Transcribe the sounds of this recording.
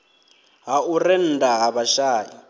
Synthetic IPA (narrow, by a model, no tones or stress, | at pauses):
ɦaurɛn̩daɦaβaʃaːji